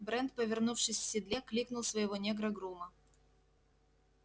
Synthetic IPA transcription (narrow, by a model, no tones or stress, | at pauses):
bɾɛnt̪̚pəvʲɪrnufʂɨsʲfsʲɪd̪lʲeklʲiknʊlˠsvəjɪvonʲeɡɾəɡɾumə